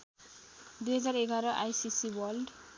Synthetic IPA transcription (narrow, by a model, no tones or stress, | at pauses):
d̪ujɦʌd͡zaɾeɡʱaɾʌʔajsisiwʌlɖ